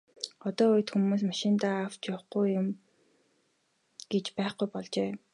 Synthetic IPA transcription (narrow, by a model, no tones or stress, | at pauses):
ɔt̪ɔːʊjt̪xumuːs̬maʃɪ̆nt̪aːw̥t͡ɕjɔwχɡujːʊm | ɡ̥et͡ɕpæːχɡujpɔɮt͡ɕeː